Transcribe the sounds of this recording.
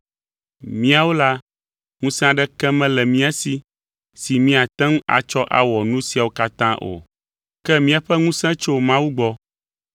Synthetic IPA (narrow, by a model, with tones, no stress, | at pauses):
mĩ˦a˨wo˦la˦ | ŋũ˦sɛ̃˦a˨ɖɛ˦kɛ˦mɛ̃˦lɛ˨mĩ˦a˨si˦ | si˨mĩ˦a˨t̪ɛ̃˦ŋ˦a̰˨t͡ʃɔ˦ʔa̰˨wɔ˨nũ˦si˨a˨wo˦ka˦t̪ã˦ʔo̰˨ | kɛ˦mĩ˦a˨ɸɛ˦ŋũ˦sɛ̃˦t͡ʃo˦mã˦wu˦ɡ͡bɔ˦